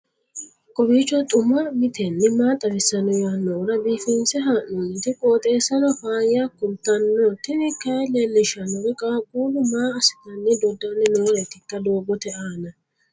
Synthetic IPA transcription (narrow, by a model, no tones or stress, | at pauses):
kʼɔbiːt͡ʃːɔt̪ʼʊmɐmɪt̪ʰɛnːɛmaːt̪ʼɐbɪsːɐnɔjaːnːɔɾɐbiːfɪnsɛɦanːuːnt̪ɪkʼoːt̪ʼeːsɐnɔfaːjakʊnt̪ːɐnːɔt̪ɛnɪkːɐlelːɪʃɐnɔɾɪkʼɐkʼuːlʊmaːɐsɪt̪ɐnːɛd̪ɔd̪anːɛnɔwɔɾɛt̪ɪkːɐd̪oːbɔt̪ɛʔaːnɐ